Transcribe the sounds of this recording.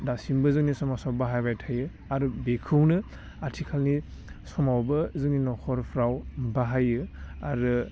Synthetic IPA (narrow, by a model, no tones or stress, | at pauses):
dasimbɯzɯŋnisɔmasɔwbaɦajbajtʰajɯ | aɾɯbekʰɯwnɯ | atʰikʰalnisɔmawbɯzɯŋninɔkʰɔɾpʰɾawbaɦajɯaɾɯ